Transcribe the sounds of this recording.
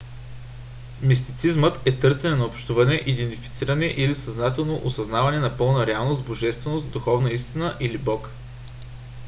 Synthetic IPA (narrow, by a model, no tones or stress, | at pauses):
mis̬t̪it̪sizmət̪ɛt̪ɤɾsɛnɛnɐopʃt̪uvɐnɛʔid̪ɛnt̪ifi̥t̪siɾənɛʔilisɐznat̪ɛlˠnoʔosɐznavɐnɛnɐpɤlˠnəɾɛalˠnost̪boʒɛst̪vɛnost̪d̪uxɔvnəist̪inəʔilibɔk